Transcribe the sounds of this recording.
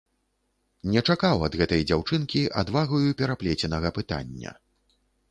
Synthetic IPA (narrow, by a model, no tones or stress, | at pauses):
nʲɛt͡ʂakawɐd̪ɣɛt̪ɐjd͡zʲawt͡ʂɨnkʲiʔa̰d̪vaɣɐjupʲɛɾaplʲɛt͡sʲɛnɐɣɐpɨt̪a̰nʲːɐ̰